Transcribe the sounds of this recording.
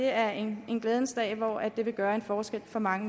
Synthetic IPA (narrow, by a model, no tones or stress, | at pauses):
e̝æɐene̝nɡ̥leːð̞ˠn̩sd̥ɛ̰ːɪʋɒæd̥e̝ʋe̝ɡ̥ɶːɐe̝nfɒːsɡ̥el̰fɒ̽mɑ̈ŋə